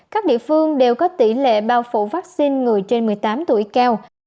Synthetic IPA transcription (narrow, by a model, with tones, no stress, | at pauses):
kaː˦˥k̚ɗḭ˧˨əfɨ˧əŋɗe˨˩wkɔ˨˦t̪i˧˩lḛ˧˨ɓaː˧wfṵ˧˨vaː˦˥k̚si˧nŋɨ˨˩əjt͡ɕe˧nmɨ˨˩əjt̪aː˨˦mt̪ṵ˧˩əjkaː˧w